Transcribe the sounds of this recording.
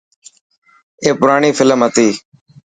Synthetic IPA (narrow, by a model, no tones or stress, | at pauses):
eːpʊɾaːɳiːfɪləmɦət̪iː